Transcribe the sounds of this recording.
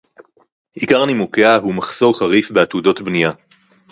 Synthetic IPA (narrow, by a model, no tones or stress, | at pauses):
ʔikaʁnimukeaɦumaχso̞ʁχaʁifbeatudo̞tbnija